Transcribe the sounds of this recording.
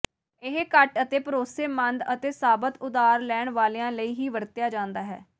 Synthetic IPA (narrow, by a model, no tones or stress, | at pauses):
ɪɦkəʈət̪eːpəɾoːseːmənd̪ət̪eːsaːbət̪ʊd̪aːɾlɛːɳʋaːleːãːləiːɦiːʋəɾt̪jaːd͡ʒãːnd̪aːɦɛ̰ː